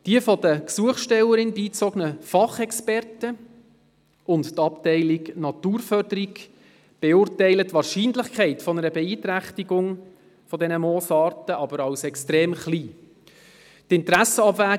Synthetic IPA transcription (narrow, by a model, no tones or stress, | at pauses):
d̥iəfɔdəksuəχʃtɛləɾɪnbiːt͡sɔɡnəfɑχɛkspɛrtə | ʊnttɑptɛɪliɡnɑtuːɾfœɾdəɾik | b̥eʊɾtæɪlətʋɑːɾʃiːnlɪχkχɛɪtfɔnəɾəbeiːtɾæχtiɡʊŋ | fɔdɛnəmoːsɑːɾtəʔɑbəɾɑwsɛkstɾeːmχliː | tɪntɾæsəɑbvæː